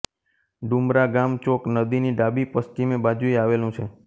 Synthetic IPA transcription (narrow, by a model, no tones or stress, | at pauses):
ɖumɾaɡamt͡ʃoknəd̪iniɖabipəst͡ʃimẽbad͡ʒuiaʋelũt͡ʃʰe